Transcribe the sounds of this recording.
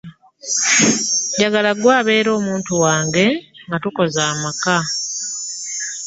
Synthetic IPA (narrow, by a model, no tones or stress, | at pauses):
ɟaɡalaɡwaːβe̞ːɾo̞ːmuːntuwaːŋɡe̞ŋɡatuko̞zaːmaka